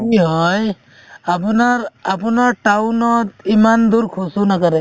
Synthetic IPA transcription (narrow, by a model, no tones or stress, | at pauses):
kiɦɔj | apunaɹapunaɹʈawnɔt̪imand̪uɾkʰusunakaɾɛ